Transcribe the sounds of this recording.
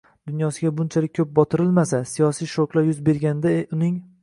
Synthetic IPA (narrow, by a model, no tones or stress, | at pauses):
d̪̥ʊnjɒsɪɡʲabʊnt͡ʃʰalɪkʲʰːɵp̚bɒt̪ʰɪɾɪlmasasijɒsijʃoklˠajʊzbe̞ɾɡʲanɪd̪aʊnɪŋ